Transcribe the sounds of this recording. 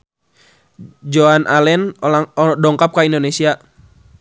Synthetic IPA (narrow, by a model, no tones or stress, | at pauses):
d͡ʒoanʔalɛn | dɔŋkap̚kaindonesia